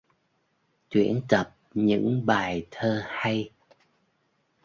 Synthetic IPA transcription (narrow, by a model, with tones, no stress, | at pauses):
t͡ɕwḭ˧˥ənt̪ə˨˩p̚ɲɨ̰˧˥ŋɓaː˨˩jt̪ʰəː˧ha˧j